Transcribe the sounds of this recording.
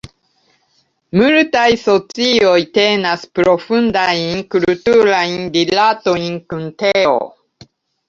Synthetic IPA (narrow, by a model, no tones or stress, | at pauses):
multajso̞t͡sio̞jte̞naspɾo̞fundajnkultuɾajndilato̞jnkunteo̰